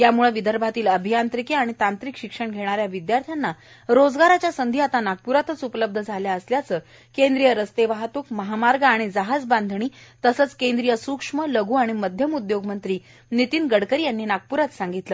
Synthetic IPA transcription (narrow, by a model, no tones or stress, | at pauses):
jamuɭəʋid̪ʱəɾbʱat̪iːləbʱijant̪ɾikeaɽ̃it̪ant̪ɾikɕikʂəɳɡʱeɽ̃aɾjaʋid̪jaɾt̪ʰjanːa | ɾod͡zɡaɾat͡ɕjasənd̪ʱiat̪anaɡ̚puɾat̪ət͡supləb̚d̪ʱəd͡zʱaljaəsljat͡səː | kend̪ɾijəɾəst̪eʋaɦat̪ukməɦamaɾɡəaɽ̃id͡zaɦad͡zband̪ʱɳ̃iːt̪əsət͡skend̪ɾijəsukʂmələɡʱuːaɽ̃iməd̪ʱjəmud̪joɡmənt̪ɾiː | nit̪iːnɡəɽkəɾiːjanːiːnaɡ̚puɾat̪sãŋɡit̪ləː